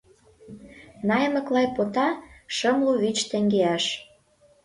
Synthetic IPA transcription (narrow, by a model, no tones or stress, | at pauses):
nɑjə̆nə̆klɑjpot̪ɑʃɤmluβit͡ɕt̪ĕŋɡeæʃ